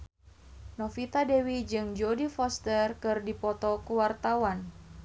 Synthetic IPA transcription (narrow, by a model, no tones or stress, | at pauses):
nɔfit̪adewid͡ʒɨŋd͡ʒodifɔst̪ərkɨrdipɔt̪ɔkuwart̪awan